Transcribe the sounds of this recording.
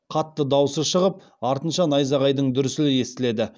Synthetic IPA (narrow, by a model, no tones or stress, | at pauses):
qʰɑt̪ːəd̪ɑwsəʃəʁəp̚ | ɑɾt̪ənʃɑnɑjzɑʁɑjd̪əɴd̪ʏɾɪsɪlɪe̞st̪ɪle̞d̪ɪ